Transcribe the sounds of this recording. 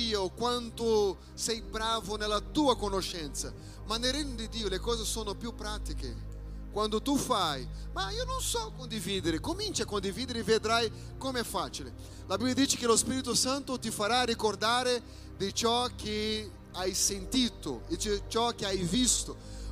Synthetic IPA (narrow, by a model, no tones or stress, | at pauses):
iokwant̪ʊ | sɛjbɾaːvʊnelːat̪uːakonoʃɛnt̪sa | manːelɾeɲːod̪id̪iːolekɔːzesoːnopjupːɾat̪ikḛ | kwand̪ʊt̪ufajmaiononsɔkond̪iviːd̪eɾɪkomint͡ʃiakond̪iviːd̪eɪɾɪeved̪ɾaj | komeɛfːat͡ʃile | labibːjad̪iːt͡ʃekɪlospiːɾit̪ʊsant̪ʊt̪ifaɾarikord̪aːɾe | d̪ɪt͡ʃɔkʰːe | ajsent̪iːt̪ʊ̰it͡ʃet͡ʃɔkːeajvist̪ʊ